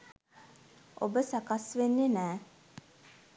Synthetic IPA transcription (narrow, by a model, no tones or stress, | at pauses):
o̰bəsakasʋenːenæː